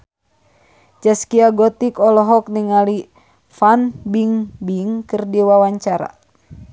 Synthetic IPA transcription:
t͡ʃɛskiaɡɔt̪ikɔlɔɦɔk̚niŋali | fanbiŋbiŋkɨrdiwawaɲt͡ʃaɾa̰

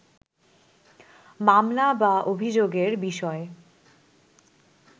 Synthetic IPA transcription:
mamlabaʔobʱid͡ʑoɡeɾbiʃɔe

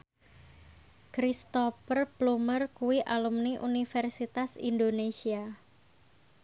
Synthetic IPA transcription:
kɾist̪ɔfərplumərkuwiʔalumniʔunifɛrsit̪asḭndonesia

